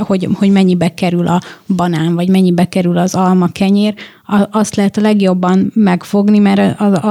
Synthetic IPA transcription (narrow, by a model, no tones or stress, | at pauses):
ho̞ɟho̞ɟmɛɲːibɛkɛɾylʔɒbɒnaːɱvɒɟmɛɲːibɛkɛɾylɒzɒlmɒkɛɲeːr | ɒɒst̪lɛɦɛt̪ɒlɛɡjo̞bːɒmmɛkfo̞ɡnimɛɾɒ